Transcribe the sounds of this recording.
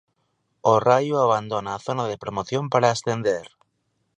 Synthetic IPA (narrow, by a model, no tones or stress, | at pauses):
orajuaβ̞and̪o̞naːθo̞nað̞e̞pɾomoθjo̞mpaɾaest̪e̞nd̪eɾ